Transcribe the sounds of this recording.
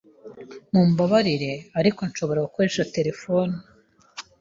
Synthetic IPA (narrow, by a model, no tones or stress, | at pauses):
mumbaβaɾiɾe̞aɾiko̞nʃo̞βo̞ɾaɡukoɾeʃate̞ɾe̞fonu